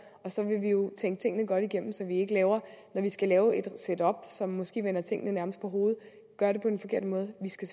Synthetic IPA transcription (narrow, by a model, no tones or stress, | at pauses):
ɒ̽sɒ̽ʋe̝ʋijo̝t͡sʰeŋɡ̥ət͡sʰe̝ŋ̰ənəɡ̥ɒ̽ɾ̥iɡ̥em̰m̩sɒ̽ʋie̝ɡ̥əlɛːʊɐnɒʋisɡ̥ælɛːʊed̥sed̥ɒ̽b̥sɒ̽mːɒ̽sɡ̥e̝̰ːʋen̰ɐt͡sʰe̝ŋ̰ənənæɐməsd̥pʰɒ̽ɦo̝ːð̞̩ˠ | ɡ̥ɶɐɾ̥e̝pʰɒ̽d̥enfɒ̽kʰe̝ɐd̥əmɔ̽ːð̞̩ˠʋisɡ̥æs